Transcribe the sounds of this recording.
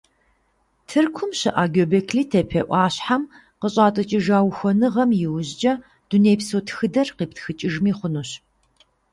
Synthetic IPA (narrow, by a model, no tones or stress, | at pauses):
tʰɨrkʷʰʊmɕɪʔaːɡobɐkʰliːtʰɐpʰɐʔʷɑːɕħam | qəɕʼɑːtʼɐt͡ʃʼɪʒaːwxʷɔnɨʁɐmjɪwʑd͡ʒɐ | d̥uneːpsotʰxɨdɐrqiːptʰxɨt͡ʃʼɪʒmiːχʷʊnuɕ